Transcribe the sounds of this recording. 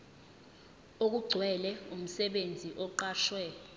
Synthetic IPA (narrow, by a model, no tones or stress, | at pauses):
ok̬uɡ͡ǀʱwɛlɛum̩sɛɓend͡zʱiʔɔǃaːʃwɛ